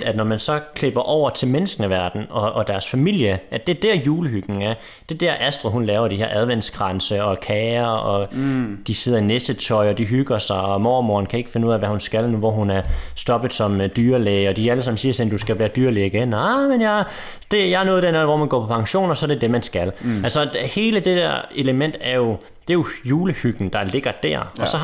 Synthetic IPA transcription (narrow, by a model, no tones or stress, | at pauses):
æd̥nɒmænsɒ̽kʰle̝b̥ɐʔɒʊ̰ɐt͡sʰe̝lmenəsɡ̥n̩əʋæɐd̥n̩ɒ̽ːd̥æɐsfæmil̰jəʔæ̥d̥eɐd̥æɐ̰juːləɦyɡ̥n̩æɐ | d̥e̝d̥æɐ̰ʔæsd̥ʁoɦunlɛːʊɐdihe̝ɐʔæð̞ˠʋen̰sɡ̥ʁɑnsəɒ̽kʰɛːɐɒ̽d̥ise̝ð̞̰ɐinesət͡sʰɒ̽ɪɒ̽d̥iɦyɡ̥ɐsɑ̈ɪɒ̽mɒ̰ːmo̰ːnkʰæe̝ɡ̥əfe̝nuð̰ˠæʋæhunsɡ̥ælnuʋɒɦunæɐsd̥ɒ̽b̥əð̩ˠsɒ̽md̥yːɐlɛːɪɒ̽d̥iæləsɑ̈m̩siːɐsennd̥usɡ̥æʋæːɐd̥yːɐ̰liiɡ̥enɑmenja | d̥e̝jɑ̈æɐnɔːð̞ˠdeɐæð̩ˠʋɒ̰ːmænɡ̥ɒ̰ːpʰɒ̽pʰɑ̈ŋɕo̝̰ːnɒsɒ̽ɐded̥e̝mænsɡ̥ælælsɒ̽he̝ːləd̥e̝d̥æ̰ɐ̰e̝ləmen̰d̥æɐjo̝ | d̥e̝jo̝juːləhyɡ̥n̩d̥ɑ̈le̝ɡ̥ɐd̥æɐ̰ɒ̽sɒ̽